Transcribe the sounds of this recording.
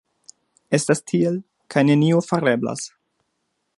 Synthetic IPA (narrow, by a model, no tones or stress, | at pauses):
e̞stastʰiel | kʰajne̞niofaɾe̞bla̰s